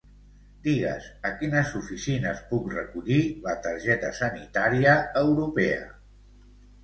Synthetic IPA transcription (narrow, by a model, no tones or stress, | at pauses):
d̪iɣə̰zəkinəzufisinəspukrəkuʎilət̪əɾʒɛt̪əsənit̪aɾiəːwɾupɛə̰